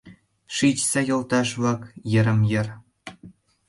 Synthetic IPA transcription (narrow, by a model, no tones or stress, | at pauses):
ʂit͡ɕsʲejɤ̆lˠt̪ɑʂvɑkjɘ̆ɾɘ̆mjɘ̆r